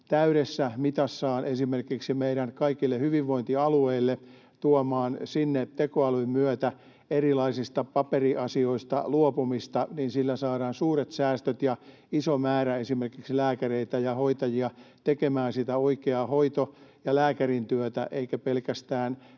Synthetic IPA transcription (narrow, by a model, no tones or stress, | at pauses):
t̪æyɾesːæmit̪ɑsːɑːnʔesimerkiksimeiɾænkɑikilːehyʋiʋːoint̪iɑlueilːe | t̪uomɑːnsinːet̪ekoɑlummyœt̪æ | erilɑisist̪ɑpɑperiʔɑsioist̪ɑ̰luopumist̪ɑninsilːæsɑːɾɑːnsuːret̪sæːst̪øt̪jɑ | isomæːɾæesimerkikslæːkæreit̪æjɑhoit̪ɑjiɑt̪ekemæːnsit̪æoikeɑhoit̪ojɑlæːkærint̪yøt̪æ̰ʔeikæpelkæst̪æːn